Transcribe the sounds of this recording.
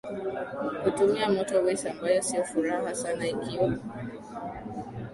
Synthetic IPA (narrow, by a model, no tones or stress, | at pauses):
hutumiamɔtɔwɛsambajɔsijɔfuɾahasanaikiwa